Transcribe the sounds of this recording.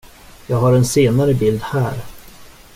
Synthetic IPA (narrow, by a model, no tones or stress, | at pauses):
jɑːɡɦaɾɛnseːnaɾəbɪld̪hæːɾ